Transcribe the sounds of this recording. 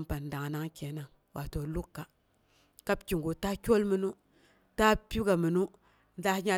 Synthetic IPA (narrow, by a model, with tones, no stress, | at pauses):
mpa˨nda˨ŋ˨na˦ŋkʲe˨na˦ŋ | wʔa˨to˨lu˦kːa˨ | ka˦pkʲi˨ŋɡu˨ta˦kʲo˦lmi˦nu˦ | ta˦pʲi˦ɡa˨mi˨nu˦ | nda˦hɲa˦